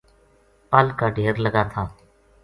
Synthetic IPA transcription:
pəlkaːɖʱeːɾləɡaːt̪ʰaː

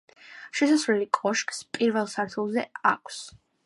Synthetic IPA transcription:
ʃɛsasvlɛlikʼɔʃkʼspʼiɾvɛlˠsaɾt̪ʰulˠzɛakʰs

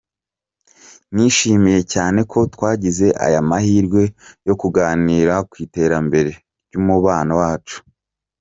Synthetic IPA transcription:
niʃiːmije̞caːne̞kʰo̞twaːɟize̞ʔa̰jamahiːɾɡwe̞jo̞kuɡaːniːɾakwiːte̞ːɾambe̞ɾe̞ | ɾɟuːmuβaːnawaːt͡ʃu̥

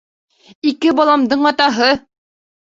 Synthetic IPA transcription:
ikɘbɒlˠɑmd̪ɤɴɑt̪ɑɦɤ

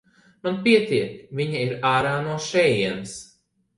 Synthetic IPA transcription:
manpiɛt̪iɛt̪viɲaiɾaːɾaːnuɔʃɛːjiɛns

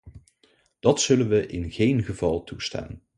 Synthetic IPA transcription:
d̥ɑtsɵlənʋəʔɪnɣejnχəvɑlˠtusta̰ːn

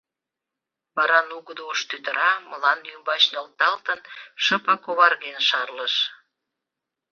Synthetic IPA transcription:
βɑɾɑnuɣəd̪ouʃt̪yt̪əɾɑməlɑnjymbɑt͡ɕnəlt̪ɑlt̪ənʃəpɑkoβɑrɣenʃɑrləʃ

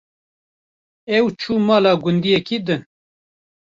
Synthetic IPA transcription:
ɛwt͡ʃʰuːmɑːlɑːɡʊnd̪ijɛkiːd̪ɨn

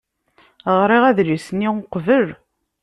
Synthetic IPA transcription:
ʁɾiʁæðlisnːiʊqvəl

